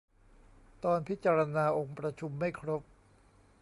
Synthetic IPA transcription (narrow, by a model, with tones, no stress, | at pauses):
t̪ɔː˧npʰi˦˥t̪̚t͡ɕa˧ɾa˧naː˧ʔo˧ŋpɾa˧t͡ɕʰu˧mːa˥˩jkʰɾo˦˥p̚